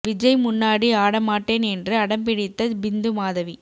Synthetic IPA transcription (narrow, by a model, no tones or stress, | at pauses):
ʋɪd͡ʒɐɪjmʊnːaːɽiaːɽɐmaːʈːeːnɛndrɯɐɽɐmpɪɽɪt̪ːɐbɪnd̪ɯmaːðɐʋi